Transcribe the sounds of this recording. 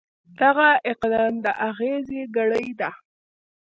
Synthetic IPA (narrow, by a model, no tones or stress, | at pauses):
d̪̥aɣaɪqd̪ɑmd̪əʔaɣezeɡaɽəjd̪a